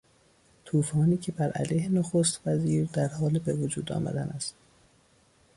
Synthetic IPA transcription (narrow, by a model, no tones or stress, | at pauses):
t̪ʰuːfɒːniːcʰe̞bæɾʔæ̰lejhenoxost̪væziːɾd̪æɾhɒːlebevod͡ʒuːd̪ɒ̰ːmæ̰d̪ænæst̪